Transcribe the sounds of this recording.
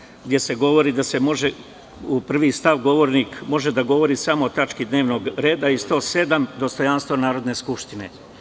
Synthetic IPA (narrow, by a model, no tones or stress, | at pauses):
ɡd̪ʲje̞se̞ɡo̞ʋo̞ɾiːd̪ase̞mo̞ʒe̞ | upr̩ʋist̪aʋɡo̞ʋo̞ɾnikmo̞ʒe̞d̪aɡo̞ʋo̞ɾiːsamo̞ːt̪at͡ʃkid̪ne̞ːʋno̞ɡɾe̞ːd̪aist̪o̞ːse̞d̪amd̪o̞st̪o̞janst̪ʋonaːɾo̞d̪ne̞ːskupʃt̪ine̞̰